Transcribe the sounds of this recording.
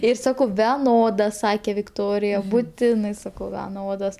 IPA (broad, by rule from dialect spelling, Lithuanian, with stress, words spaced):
ˈɪr ˈsɑːkɐʊ ʋʲɛˈnoːdɐ ˈsɑːkʲeː ʋʲɪkˈtoːrʲɪjɛ bʊˈtʲɪnɐɪ ˈsɑːkɐʊ ʋʲɛˈnoːdoːs